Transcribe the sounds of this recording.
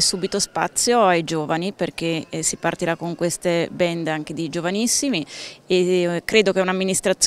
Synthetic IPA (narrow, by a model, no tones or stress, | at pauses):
suːbit̪ospa̰t̪sːjoajd͡ʒoːvaniperkesipart̪iɾakoŋkwest̪ebɛnd̪aŋk̟ed̪id͡ʒovanisːimiekɾeːd̪ok̟eɛunamːinist̪ɾat̪sː